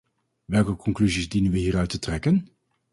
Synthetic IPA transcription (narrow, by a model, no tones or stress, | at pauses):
ʋɛlˠkəkɔŋklyzizdinənʋəɦiːɾœɥtətrɛkən